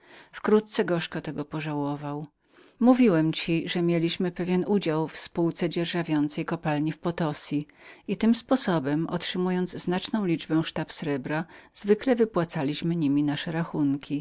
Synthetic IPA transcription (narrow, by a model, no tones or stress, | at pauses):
fkɾut̪̚t̪sɛɡɔʂkɔt̪ɛɡɔpɔʐawɔvaw | muvʲiwɛmt͡ɕiʐɛmʲjelʲiɕmɘpɛvʲjɛnud͡ʑawfspuwt̪sɛd͡ʑɛɾʐavʲjɔnt̪sɛjkɔpalɲifpɔt̪ɔsʲiit̪ɘmspɔsɔbɛmɔ̰tʂɘmujɔnd̪zznat͡ʂnɔ̃w̃lʲid͡ʐbɛʂt̪apsɾɛbɾaz̥vɘklɛvɘpwat̪salʲiɕmɘɲimʲinaʂɛɾaxunkʲi